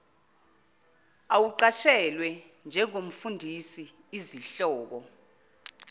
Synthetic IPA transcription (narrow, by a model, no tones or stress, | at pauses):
awuǃat͡ʃʰɛlwɛnd͡ʒʱɛŋ̬om̩fundʱisiː | ziɬɔːk̬ɔ